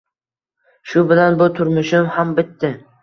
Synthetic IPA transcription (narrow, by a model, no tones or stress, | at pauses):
ʃʊbɪlanbʊt̪ʰʊɾmʊʃɪmhambɪt̪ːɪ